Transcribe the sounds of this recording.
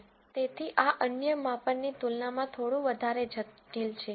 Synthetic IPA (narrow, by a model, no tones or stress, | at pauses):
t̪et̪ʰiʔaʔənjəmãpənːit̪ulnamãt̪ʰoɽũʋəd̪ʱaɾed͡ʒəʈilt͡ʃʰe